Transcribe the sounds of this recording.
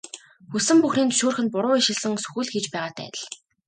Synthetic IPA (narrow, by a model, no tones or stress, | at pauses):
xusɘ̆mpuxniːnt̪ʰɵ̥ʃoːrxɘ̆npʊɾʊːiʃɪ̆ɮsɘ̆ŋsɵ̥xuɮxit͡ɕpæːʁaːt̪ʰæ̰ːt̪ə̆ɮ